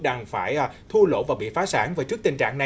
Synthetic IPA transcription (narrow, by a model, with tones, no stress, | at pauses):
ɗaː˧˩ŋfaː˧˩jʔːt̪ʰu˧lo̰˧˥vaː˨˩ɓḭ˧˨faː˨˦saː˧˥˦ŋvaː˨˩jt͡ɕɨ˦˥ək̚t̪i˨˩ŋ̟t͡ɕa̰ː˧˨ŋna˨˩